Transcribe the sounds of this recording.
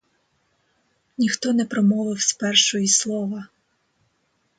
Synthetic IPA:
nʲixt̪ɔnɛpɾɔmɔʋɪwsʲpɛrʃɔjislˠɔʋɐ

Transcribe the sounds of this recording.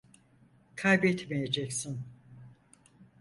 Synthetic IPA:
kʰajbɛt̪ʰmejed͡ʒɛcsin

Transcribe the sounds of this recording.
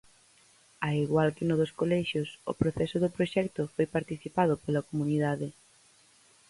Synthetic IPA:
aiɣwalkɪnʊðoskolɛʃjosʊ̰pɾoθɛsʊðʊpɾoʃɛkt̪ʊfojpaɾt̪iθipað̞ʊpolɐkomuniðaðɪ

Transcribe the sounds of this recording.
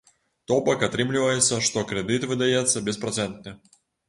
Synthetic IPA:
t̪opəkɐt̪ɾɨmlʲɪvəjɪt̪səʂt̪o̞kɾʲɪd̪ɨt̪vɨd̪ɐjet̪sːəbʲɪspɾɐt̪sɛnt̪nʲə

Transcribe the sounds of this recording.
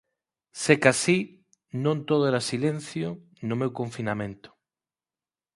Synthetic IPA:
sekasi | nõnt̪oð̞oeɾasilen̟θjʊ | nʊmewkõɱfinamẽnt̪ʊ̥

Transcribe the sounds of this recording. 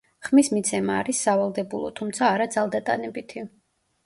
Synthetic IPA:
χmismit̪sʰɛmaːɾisːavalˠd̪ɛbulˠɔ̰t̪ʰumt̪sʰaːɾad̪zalˠd̪at̪ʼa̰nɛbit̪ʰi

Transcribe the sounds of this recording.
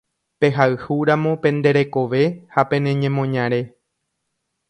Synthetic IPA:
pe̞ɦaɨhuɾamõ̞pẽ̞nd̪e̞ɾe̞ko̞ʋe̞hapẽ̞nẽ̞ɲẽ̞mõɲãɾe̞

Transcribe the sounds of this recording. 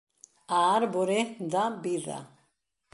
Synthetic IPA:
aːɾbɔɾɛd̪abiða̰

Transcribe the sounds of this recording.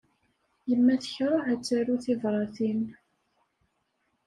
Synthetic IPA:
jəmːæθə̥çɾˤoħæt͡sːæɾuθivɾˤɑθin

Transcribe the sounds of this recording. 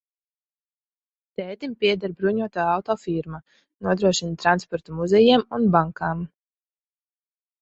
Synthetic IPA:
t̪ɛːt̪impiɛd̪aɾbɾuɲuɔt̪aːawt̪ɔːfiɾma | nuɔd̪ɾuɔʃint̪ɾanspɔɾt̪umuzɛjɛmunbaŋkaːm

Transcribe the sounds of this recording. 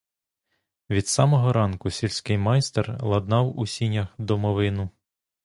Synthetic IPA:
ʋʲid̪̥sɑmɔɦɔɾɑnkʊsʲilʲsʲkɪjmɑjst̪erlˠɐd̪nɑwusʲinʲɐxd̪ɔmɔʋɪnʊ

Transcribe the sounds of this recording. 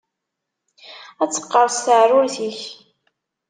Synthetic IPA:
æt͡sːə̥qːəɾˤst̪əʕrʊɾθiç

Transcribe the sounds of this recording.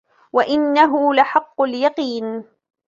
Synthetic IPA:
waʔɪnːaɦʊlaħɑqːʊljɑqiːn

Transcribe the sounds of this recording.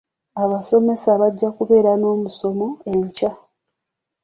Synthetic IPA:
aβaso̞me̞saβaɟːakuβe̞ːɾano̞ːmuso̞mo̞e̞ɲca

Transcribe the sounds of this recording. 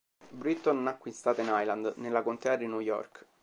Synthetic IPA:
bɾit̪ːonnakːwist̪aːt̪einajland̪nelːakont̪ɛːad̪inujɔ̰rk

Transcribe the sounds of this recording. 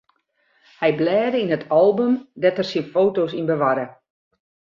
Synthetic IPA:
hɛjblɛːdəinɦətʰɔlˠbəmdɛtərsinfoːtosinbəʋaɾə

